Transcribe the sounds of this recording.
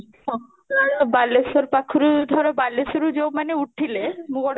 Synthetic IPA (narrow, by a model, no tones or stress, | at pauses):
ɔ | aɾbalːesoɾpakʰːuɾud̪ʱɔɾobalːesuɾud͡ʑomaneuʈʰːilemuɡɔɽ